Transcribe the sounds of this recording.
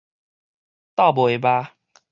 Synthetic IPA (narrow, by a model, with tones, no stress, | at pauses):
t̪a˥˨bɔ˨˩e˨˩ba˧